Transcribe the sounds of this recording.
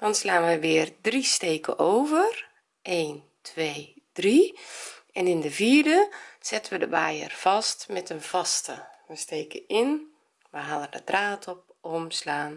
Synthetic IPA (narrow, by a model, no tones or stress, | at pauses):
d̥ɔnslaːnʋəʋɪːrdristeːkʰə̰ʔoːvər | eːn | tʰʋeːd̥ri | ɛnɪndəviːrdəz̥ɪtənʋədəʋaːjə̰rfɔstmɛtənv̥ɔstəʋəsteːkəɪn | ʋəɦalˠədədraːtʰɔp̚omslaːn